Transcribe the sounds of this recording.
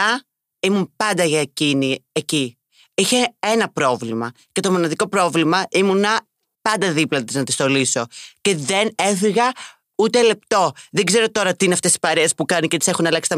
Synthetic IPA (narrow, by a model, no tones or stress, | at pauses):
ɐ | imunpɐnd̪ɐʝɐecinieci | içe̞enɐpɾo̞vlimɐ | ce̞t̪o̞mo̞nɐðiko̞pɾo̞vlimɐʔimunɐ | pɐnd̪ɐðiplɐt̪iznɐt̪i̥st̪o̞liso̞ce̞ðe̞ne̞fiɣɐ | ut̪e̞le̞pt̪o̞ðeɡze̞ɾo̞t̪o̞ɾɐt̪iineɐft̪esi̥pɐɾeːspukɐnicet̪i̥sexunɐlɐksi̥t̪ɐ